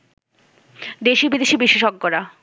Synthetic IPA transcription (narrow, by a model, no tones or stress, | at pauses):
d̪eʃibid̪eʃibiʃeʃoɡːoɾa